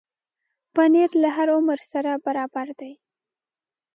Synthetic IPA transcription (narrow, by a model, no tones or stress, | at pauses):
paneɾlaɦaɾʊməɾsaɾabaɾɑbaɾd̪aj